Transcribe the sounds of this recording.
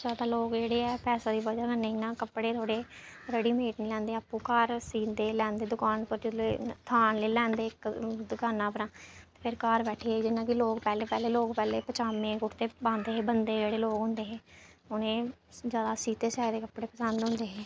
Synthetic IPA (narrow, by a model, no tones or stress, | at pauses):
zaːd̪aːloːkd͡ʒeːɽeːɛːpɛːsaːd̪iːbəd͡ʒaːkənːeːɪnãːkəpɽeːt̪ʰoːɽeːɾɛɽiːmeːʈniːlɛ̃ːnd̪eːapːũːkaːɾsiːnd̪eːlɛ̃ːnd̪eːd̪ʊkaːnpəɾd͡ʒɪet̪ʰaːnleːlɛ̃ːnd̪eːkd̪ʊkaːnãːpəɾãːt̪e̥ːpʰɪɾkaːɾbɛːʈʰiːeiːd͡ʒɪnãːkɪloːkpɛːleːpɛːleːloːkpɛːleːpət͡ʃaːmẽːkʊʈt̪eːbãːnd̪eːɦeːbənd̪eːd͡ʒeːɽeːloːkɦʊ̃nd̪eːɦeː | ʊnẽːzjaːd̪aːsiːt̪eːsaːed̪eːkəpɽeːpəsənd̪ɦʊ̃nd̪eːɦẽː